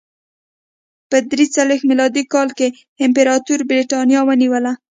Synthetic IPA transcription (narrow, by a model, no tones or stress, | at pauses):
pəd̪ɾit͡salwexmilɑd̪ikɑlke | ɪmpeɾɑt̪uɾbɾiʈɑnjɑwəniwəla